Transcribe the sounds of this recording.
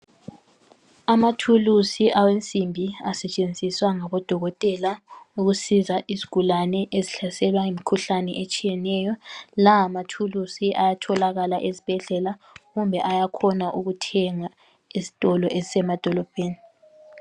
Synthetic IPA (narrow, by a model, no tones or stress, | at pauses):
amatʰulusiʔawent͡sʼimbʱiasɛt͡ʃʼend͡zʱiswaŋaβɔd̥ʱɔɣɔtʼɛlauɣusizaʔizi̥ɡ̥ʱulanɛʔeziɬasɛlwaŋemikʰuɬanɛ̰ʔet͡ʃʼijɛnɛjɔlaːmatʰulusiʔajatʰɔlaɣalaʔezib̥ʱɛɮɛla | ɣumbʱɛʔajakʰɔnaʔuɣutʰɛŋa | izi̥tʼɔlɔʔezisɛmad̥ʱɔlɔb̥ʱeːni